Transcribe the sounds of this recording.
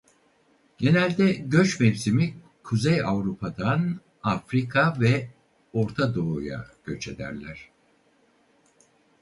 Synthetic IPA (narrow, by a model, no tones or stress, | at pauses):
ɟ̥e̞nælʲd̪ɛɟø̞t͡ʃmɛvsimi | kʰuzejavɾupʰad̪an | afɾikʰavɛ | o̞ɾt̪ʰad̪o̞ːja̰ɟ̥ø̞t͡ʃe̞d̪æ̰ɾlʲæɾ̥